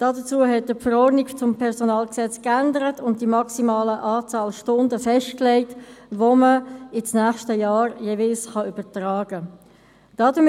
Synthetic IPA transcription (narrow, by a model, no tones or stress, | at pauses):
d̥ɑːdət͡suəɦɛt̚d̥əfəɾɔdniɡt͡sʊmpʰɛʁsonɑːlksɛt͡skændəɾətʰʊnt̚d̥imɑksimɑːləʔaːt͡sɑːlʃtʊndəfɛʃtkleɪtʋoməɪt͡snæːχʃtəjɑːɾjevɪlsχɑyb̥ətraːɡ̥ə | d̥ɑːdə